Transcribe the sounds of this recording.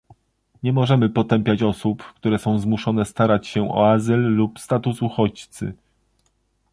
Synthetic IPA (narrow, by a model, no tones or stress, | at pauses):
ɲɛmɔʐɛmɘpɔt̪ɛmpʲjat͡ɕɔsupkt̪uɾɛsɔ̃w̃zmuʂɔnɛst̪aɾat͡ɕɕɛɔ̰azɘlːupst̪at̪usuxɔt͡ɕt̪sɘ̰